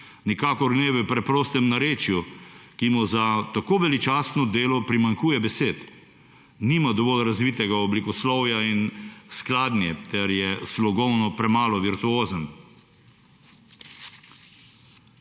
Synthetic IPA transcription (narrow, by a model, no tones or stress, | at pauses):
nikaːkɔɾnɛbɛpɾɛpɾoːst̪ɛmnaɾeːt͡ʃjukimuzat̪akoʋɛlit͡ʃaːsnɔd̪eːlɔpɾimaŋkuːjɛbɛseːt̪ | niːmad̪ɔʋɔːlɾazʋiːt̪ɛɡaɔblikɔslɔwjainsklaːd̪njɛt̪ɛɾjɛslɔɡɔwnɔpɾɛmaːlɔʋiɾt̪uoːzən